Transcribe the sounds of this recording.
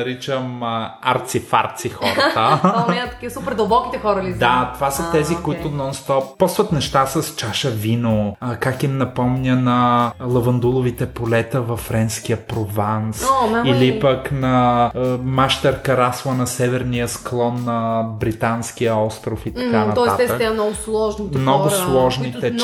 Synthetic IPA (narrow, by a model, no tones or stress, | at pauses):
ɐɾit͡ʃəmaɾt̪sifa̰ɾt̪sixɔ̰ɾt̪ət̪ːɐkisupɛɾd̪ɐlˠbɔkit̪ɛxɔɾəlid̪at̪ovasɐt̪ɛzikoit̪ʊnɔnst̪ɔpːɔsvɐt̪nɛʃt̪asəst͡ʃaʃɐvinokakimnɐpɔmnʲənɐlˠɐvɐnd̪ulˠʊvit̪ɛpolɛt̪əvɐfːɾɛnskijəpɾovansnailipɐknɐ | maʃt̪ɛɾkɐɾaslˠənɐsɛvɛɾnijəsklˠɔnːɐbɾit̪anskijəɔst̪ɾʊfit̪ɐkanɐt̪ɔɛssat̪ɛsɛmnɔɡʊslˠɔʒnimnɔɡʊslˠɔʒnit̪ɛ